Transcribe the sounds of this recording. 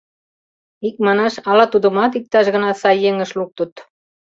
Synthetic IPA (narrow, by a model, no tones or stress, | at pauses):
ik̚mɑnɑʃɑlɑt̪ud̪ə̆mɑt̪̬ik̚t̪ɑʃɣə̆nɑsɑjːeŋə̆ʃluk̚t̪ut̪